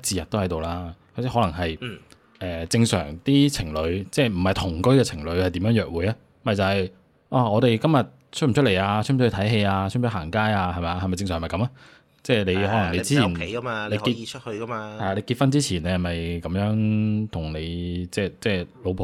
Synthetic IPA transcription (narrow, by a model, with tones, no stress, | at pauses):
tt͡siː˨˧jɐ˨t̪ːo˥hɐ˨˥jt̪o˨wlaː˥jɐ˨˥sɛ˥hɔ˨˥lɐ˨˩ŋɦɐ˨j | ʔɛː˨˩t͡sɪ˧ŋsœ̰ː˨˩ŋt̪iː˥t͡sʰɪ˨˩ŋlɵ˨˧ɥt͡sɛː˥˩m̩˨˩hɐ˨jt̪ʰʊ˨˩ŋkɵ˥ɥkɛː˧t͡sʰɪ˨˩ŋlɵ˨˧ɥhɐ˨jt̪i˨˥mjœː˧˥ŋjœː˨˩k̚wuː˨jaː˧˥˩mɐ˨˩jt͡sɐ˨hɐ˨j | ʔaː˧˩ɔː˨˧t̪e˨jkɐ˥mjɐ˨t̚ | t͡ʃʰɵ˥t̚m̩ʰ˨˩ɵ˥le˨˩jaː˧t͡ʃ̚ʰm̩ʰː˨˥˩t̪ʰɐ˨˥jɦe˧jaː˧t͡ʃ̚ʰm̩˨˩t͡ʃʰhaː˨˩ŋkaː˥jaː˧hɐ˨˩jmɐ˨ja˧hɐ˨jmɐ˨jt͡sɪ˧ŋs̬œː˨˩mɐ˨˩kɐ˨˥mɐa˥ | t͡sɛː˥˩le˨˧jhɔ˨˥lɐ˨ŋle˨˧t͡si˥i˨˩nʰ˨˦jɐ˥maː˧le˨˧jki˧˥ha˧hɐ˨ja˧le˨˧jki˧t̚fɐ˥nt͡siː˥t͡sʰiː˨˩n˨hɐ˨˩mɐ˨jkɐ˨˥mjœː˨˥ŋt̪ʰʊ˨˩ŋne˨˧jt͡sɛː˥˧t͡sɛː˥˩lo˨˧wpʰo˨